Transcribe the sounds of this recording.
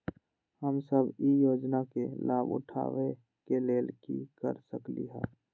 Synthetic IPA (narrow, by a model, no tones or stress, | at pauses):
həmsəbijoːd͡ʒnakelaːbʊ̰ʈʰa̰ːʋe | keleːlkikə̰ɾsəklḭɦɛ̰̃ː